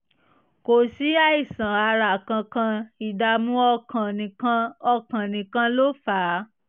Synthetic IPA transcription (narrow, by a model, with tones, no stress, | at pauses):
ko˨si˨˦a˧i˨sã˨a˧ɾa˨kã˧kã˧i˨da˧mũ˦ɔ˧kã˨nĩ˨kã˧ɔ˧kã˨nĩ˨kã˧lo˦faː˨˦